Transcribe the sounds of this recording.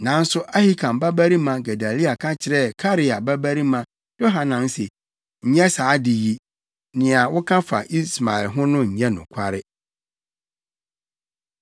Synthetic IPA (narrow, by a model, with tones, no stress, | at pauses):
nã˨n̩˦sʊ˦ʔa˦hi˦kʰã˨mba˦bæ˦ɾi˦mã˨ɡa˨da˨li˦a˨kʰã˦t͡ɕʰɪ˨ɾɛ˦˨kʰa˦ɾɪ˦a˨ba˦bæ˦ɾi˦mã˨ | j̥o˦ɦa˨nã˨n˦se˨ | ɲ̩˨ɲɛ̃˦saː˨˦dɪ˨ji˦ | nɪ̃˨a˨wʊ˦kʰã˦fa̰˨ʔi˦sma˨ɛ˨lɦʊ̃˦nʊ̃˦ɲ̩˨ɲɛ̃˦nʊ̃˨kʷʰa˦ɾɪ˦